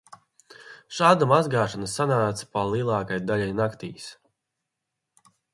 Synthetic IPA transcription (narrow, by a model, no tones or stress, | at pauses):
ʃaːd̪amazɡaːʃanɐsanaːt̪sḁpalˠiːlˠɑːkajd̪aʎʲajnakt̪ḭːs